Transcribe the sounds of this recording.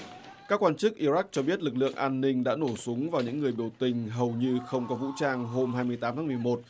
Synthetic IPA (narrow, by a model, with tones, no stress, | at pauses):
kaː˦˥kːwaː˧nt͡ɕɨ˦˥k̚ʔi˧za˦˥k̚t͡ɕɔ˧ɓi˦˥ət̚lɨ˨˩k̚lɨ̰˧˨əŋʔaː˧nːï˧ŋ̟ɗa̰ː˧˥no˧˩su˨˦ŋvaː˨˩wɲɨ̰˧˥ŋːɨ˨˩əjɓi˧˩əwt̪ï˨˩ŋ̟ɦə˨˩wɲɨ˧xə˧wŋ͡mkɔ˨˦vṵ˧˥t͡ɕaː˧ŋɦo˧mɦaː˧jmɨ˧əjt̪aː˨˦mt̪ʰːmɨ˨˩əjmo˨˩t̚